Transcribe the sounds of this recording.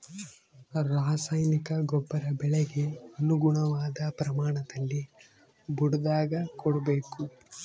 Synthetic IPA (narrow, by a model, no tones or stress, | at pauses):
ɾaːsajnikɐɡɔbːɐɾɐbɛɭɛɡe̞ɐnuɡuɳɐʋaːd̪ɐpɾɐmaːɳɐt̪ɐlːi | buɽud̪aːɡɐkɔɽubeːku